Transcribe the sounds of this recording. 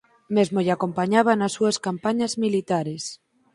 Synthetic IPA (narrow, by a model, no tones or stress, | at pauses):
mezmoʎako̞mpaɲaβanasːuaskampaɲazmilit̪aɾes